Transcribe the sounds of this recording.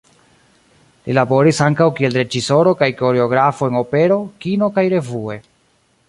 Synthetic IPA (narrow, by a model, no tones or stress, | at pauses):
lilabo̞ɾisaŋkawkie̞lɾe̞d͡ʒiso̞ɾo̞kajko̞ɾe̞o̞ɡɾafo̞eŋo̞pe̞ɾo̞kino̞kajɾe̞vue̞